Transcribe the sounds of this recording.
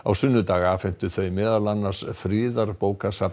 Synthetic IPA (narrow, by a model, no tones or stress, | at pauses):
a̰wsʏnːʏt̪aːɣafɪn̥t̪ʏθejmɛːðaɾlanːḁsfɾɪːðaɾpoːwkasa